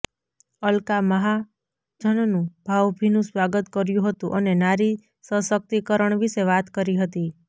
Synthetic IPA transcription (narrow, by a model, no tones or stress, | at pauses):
əlkaməɦa | d͡ʒʱənnũbʱaʋbʱinũsʋaɡət̪kəɾjũɦət̪ũʔənenaɾi | səsək̚t̪ikəɾəɳʋiʃeʋat̪kəɾiɦət̪i